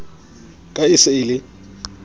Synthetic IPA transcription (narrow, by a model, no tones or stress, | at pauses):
kʼaɪsɪɪlɪ